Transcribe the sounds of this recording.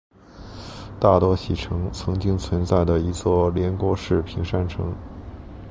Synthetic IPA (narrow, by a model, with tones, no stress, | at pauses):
t̪a˥˩t̪wɔ˥ɕi˨˩ʈ͡ʂʰɤ˧˥ŋt͡sʰɤ˧˥ŋt͡ɕi˥ŋt͡sʰwə˧˥nt͡sa˥˩ɪd̪ə˩i˧˥t͡swɔ˥˩ljɛ˧˥nkwɔ˥ʂɻ̩˥˩pʰi˧˥ŋʂa˥nʈ͡ʂʰɤ̰˧˥ŋ